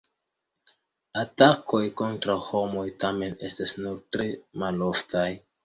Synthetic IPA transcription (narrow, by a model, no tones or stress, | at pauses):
atakʰo̞jko̞ntɾawho̞mo̞jtame̞ne̞stasnuɾtɾe̞malo̞ftaj